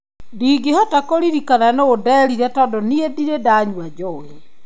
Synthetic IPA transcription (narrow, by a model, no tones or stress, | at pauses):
diːɡehɔtakoɾiɾikananoːdɛɾiɾɛtɔːdɔniediɾedaːɲwad͡ʒɔwɛ